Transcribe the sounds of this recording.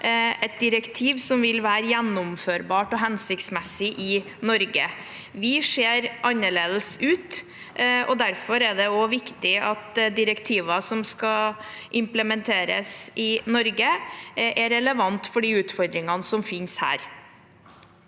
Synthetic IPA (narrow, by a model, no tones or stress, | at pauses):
ɛt̪̚d̪ɪɾəkt̪ʰiːʋsɔmʋɪlʋæːɾəjænːʊmføːɾbɑːʈɔɦɛnsɪkt̪smɛsɪʔɪ | nɔɾɡə | ʋɪʂeːɾʔɑnːəɭeːd̪əsʉːt̪ | ʔɔ̰d̪æɾfɔɾɛɖ̪ɛɔʋɪkt̪ɪɑt̪d̪ɪɾəkt̪ʰiːʋɑsɔmskɑ | ʔɪmpləmɛnt̪ʰeːɾə̰sɪnɔɾɡəʔɛɾɛləʋɑnt̪fɔɖiːʉːt̪fɔɾd̪ɾɪŋɑnəsɔmfɪnshæ̰ːɾ